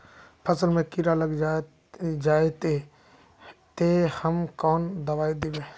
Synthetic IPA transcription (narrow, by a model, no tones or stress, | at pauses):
pʰəsəlmẽkiɾaləɡd͡ʒa | d͡ʒaːet̪e | t̪ehəmkɔːnd̪ɐʋaːid̪ebeː